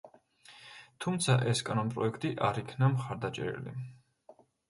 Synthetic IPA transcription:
t̪ʰumt̪sʰaʔɛskʼanɔnpʼɾɔɛkʰt̪ʼiʔaɾikʰnamχaɾd̪at͡ʃʼɛ̰ɾɛ̰lḭ

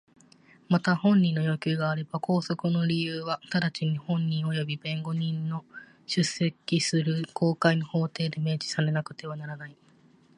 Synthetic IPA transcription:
mat̪ahõ̞ɲ̟ːĩnːo̞jo̞kʲɨːɡaːɾe̞bako̞ːso̞kɯ̟no̞ɾʲijɯːβat̪ad̪at͡ɕiɲ̟ihõ̞ɲːĩɰ̃o̞jo̞bʲibẽ̞ŋɡo̞ɲ̟ĩnːo̞ | ɕɨsːe̞kʲisɨɾɯ̟kʰo̞ːkaino̞ho̞ːt̪e̞ːd̪e̞me̞ːd͡ʑi̥sane̞nakɯ̟̥t̪e̞β̞anaɾanai

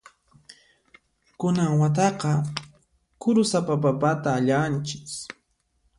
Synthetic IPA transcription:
kʊnaŋwat̪ɑqɑ | kʊɾʊsapapapat̪aːʎant͡ʃɪ̥k

